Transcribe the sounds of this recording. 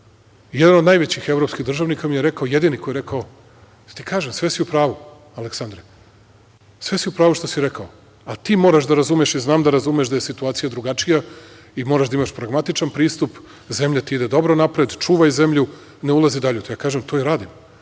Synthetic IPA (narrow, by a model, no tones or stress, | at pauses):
jed̪anod̪najʋet͡ɕixe̞vɾo̞pskiɣd̪r̩ʒaʋnikamijeɾekaoje̞d̪inikojeɾekao | ḁt̪ikʰaːʒemsʋe̞siupɾaːʋu | aleksand̪ɾe | sʋe̞siupɾaːʋuʃt̪o̞siɾe̞kao | alit̪iːmo̞ɾaʃd̪aɾazuːmeeʃiznaːmd̪aɾazumeʃd̪aje̞sit̪uaːt̪ijad̪ɾuɡat͡ʃija | imo̞ɾaʒd̪aimaʃpɾaɡmat̪it͡ʃanpɾiːst̪up | ze̞mʎat̪iid̪ed̪o̞bɾo̞napɾed̪t͡ʃuːʋajze̞mʎu | neulˠazid̪aʎut̪ojaːkaːʒemt̪ʰo̞iɾaːd̪im